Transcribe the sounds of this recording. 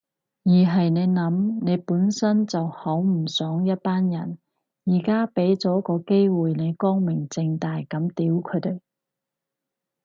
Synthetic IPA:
jiː˨˩ɦɐ˨jne˨˧jnɐ˨˥mne˨˧jpuː˨˥nsɐ˥nt͡sɐ˨whɐ˨˥wm̩˨˩sœː˨˥ŋjɐ˥t̚paː˥njɐ˨˩n | jiː˨˩kaː˥pe˨˥jt͡sɔː˨˥kɔː˧ke˥jwuː˨jne˨˧jkɔː˥ŋmɪ˨˩ŋt͡sɪ˧ŋt̪aː˨jkɐ˨˥mt̪iː˨˥wkʰɵ˨˧˥t̪e˨j

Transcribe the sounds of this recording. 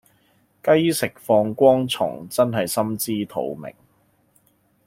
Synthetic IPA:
kɐ˥jsɪ˨k̚fɔː˧ŋkʷɔː˥ŋt͡sʰʊ̰˨˩ŋt͡sɐ˥nɦɐ˨jsɐ˥mt͡siː˥t̪ʰo̰˨˧wmɪ̰˨˩ŋ

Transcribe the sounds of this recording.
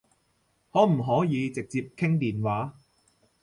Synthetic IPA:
hɔː˨˥m̩˨˩ɦɔː˨˥jiː˨˧t͡sɪ˨k̚t͡siː˧p̚kʰɪ˥ŋt̪iː˨˩nwaː˨˥

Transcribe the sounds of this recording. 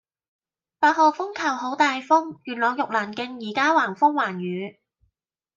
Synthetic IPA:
paː˧t̚hɔː˨˧fʊ˥ŋkʰɐ˨˩wɦo˨˥wt̪aː˨jfʊ˥ŋjyː˨˩nlɔː˨˧ŋjʊ˨k̚laː˨˩nkɪ˧ŋjiː˨˩kaː˥waː˨˩ŋfʊ˥ŋwaː˨˩njyː˨˧˥

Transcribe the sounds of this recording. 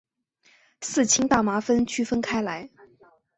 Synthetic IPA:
sɹ̩˥˩t͡ɕʰi˥ŋt̪a˥˩ma˧˥fə˥nt͡ɕʰy˥fə˥nkʰa˥ɪla˧˥ɪ

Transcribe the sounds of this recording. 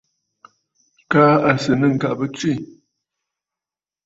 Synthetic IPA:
kaː˦a˨sɨ˨nə˦˨ŋ̩˨ka˨ʔbə˦t͡swi˦˨

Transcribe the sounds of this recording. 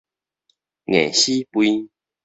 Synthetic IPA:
ŋḛ̃˨˩ɕi˦pwi˦

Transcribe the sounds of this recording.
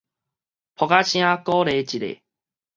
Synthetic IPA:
pʰɔ˨ɡa˦ɕĩ˦ã˦kɔ˦ɾe˨˦t͡ɕi˨ɾḛ˨

